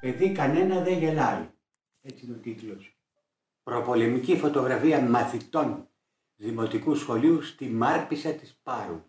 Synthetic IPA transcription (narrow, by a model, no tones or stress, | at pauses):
pe̞ðikɐne̞nɐðeʝe̞lɐi | e̞t͡sino̞t̪ik̪los | pɾo̞po̞le̞micifo̞t̪o̞ɣɾɐfiɐmɐθit̪o̞n | ðimo̞t̪ikusxo̞liust̪imɐɾpisɐt̪ispɐɾṵ